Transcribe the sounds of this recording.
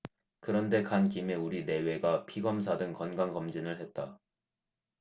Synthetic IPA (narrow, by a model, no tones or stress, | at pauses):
kɯɾʌnde̞kankime̞uɾine̞we̞ɡapʰiɡʌms̬ʰadɯŋkʌnɡanɡʌmd͡ʑinɯɭɦe̞t̚t͈a